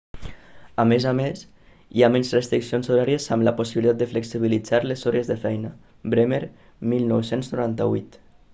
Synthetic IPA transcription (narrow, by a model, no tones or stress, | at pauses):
amezames | iamenzrest̪ɾiksionzoɾaɾiəzamləpusiβilit̪at̪d̪əfleksiβ̞ilid͡zaɾlesɔɾezðəfɛjnə | bɾemeɾ | milˠnɔwsenznuɾant̪əβṵjt̪